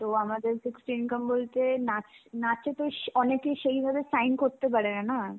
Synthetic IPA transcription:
t̪oamad̪eɾsiksʈiinkəmbolt̪enat͡ɕnat͡ɕʰet̪oʃɔnekeʃejbʱabesajnkoɾt̪ep̬aɾenana

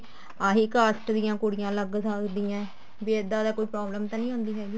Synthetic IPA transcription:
aːɦiːkəsʈd̪ɪjãːkʊɽɪjãːləɡsəkd̪iːãː | biːed̪ːaːd̪aːkoːiːpɾaːbləmt̪ãːnĩːɦõːnd̪iːɦɛːɡiː

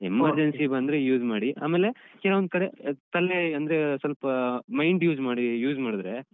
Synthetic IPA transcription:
emɐɾd͡ʒensibɐnd̪ɾejuːd͡ʒmaːɽiʔa̰ːmeːle̞kɛlɐʋond̪kɐɽet̪ɐlːeɐnd̪ɐɾesɐlpɐmɐjɳɖjuːd͡ʒmaːɽijuːd͡ʒmaːɽid̪ɾe

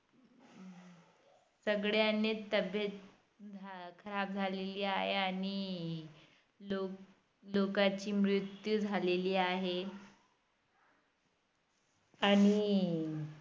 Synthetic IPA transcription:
səɡɭjanet̪ːəbjət̪̚ | d͡zʱkʰəɾab̚d͡zʱaleliːaɦeaɽ̃i | lo | lokat͡ɕiːmɾit̪jud͡zʱaleliːaɦe | aɽ̃i

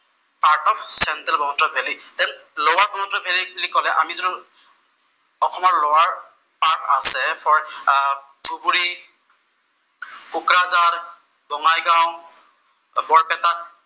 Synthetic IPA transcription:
paɹtɔpsɛntɛlbɔnɔtɹɔbʱelitɛnlowaɹbɔnɔtɔbʱeliblikɔlɛʔa̰mizɔnu | ɔxʰɔmɔɹlɔwaɹ | paɹʈa̰sɛpʰɔɹ | ɡubuɹi | kukɹazaɹ | bɔŋajɡaw̃ | bɔɹpɛta

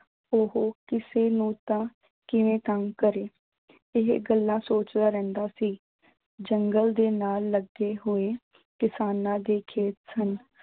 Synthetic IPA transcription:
oɦoːkɪseːnũːt̪ãː | kɪʋẽːt̪əŋkəɾeː | ɪɦɡəlːãːsoːt͡ʃd̪aːɾɛ̃ːnd̪aːsiː | d͡ʒəŋɡəld̪eːnaːlːəɡeːɦoːeː | kɪsaːnãːd̪eːkʰeːt̪sən

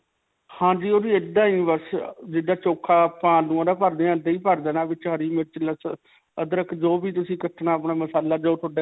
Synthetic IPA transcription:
hãːd͡ʒiːoːɾiːed̪ãːiːbəsd͡ʒɪːɖaːt͡ʃoːkʰaːpãːlũːoːd̪aːpəɾd̪eːãd̪eiːpəɾd̪eːnãːʋɪt͡ʃɦəɾiːmɪɾt͡ʃləs | əd̪əɾəkd͡ʒoːbiːt̪̬ʊsĩːkəʈʰnaːəpɳaːməsaːlaːd͡ʒoːt̪ʰʊɖeː

